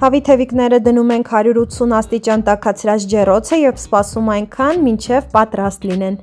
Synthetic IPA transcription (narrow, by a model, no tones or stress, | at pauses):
hɑvit̪ʰɛviknɛɾəd̪ənumɛŋkʰhɑɾjuɾut̪sunɑst̪it͡ʃɑnt̪ɑkʰɑt͡sʰɾɑt͡sʰd͡ʒɛrɔt͡sʰəjɛvspɑsumɑjŋkʰɑnmint͡ʃʰɛvpɑt̪ɾɑst̪linɛn